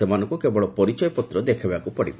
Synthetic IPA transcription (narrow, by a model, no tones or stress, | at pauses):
emanɔŋkukebɔɭɔpɔɾit͡ʃɔjɔpɔt̪ɾɔd̪ekʰibakupɔɽib